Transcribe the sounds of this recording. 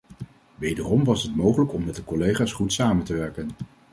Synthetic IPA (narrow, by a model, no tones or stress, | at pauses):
ʋejdərɔmʋɑsɦətmowχələkɔmːɛt̚dəkɔlejχaːsχutsaːməntəʋɛɹkən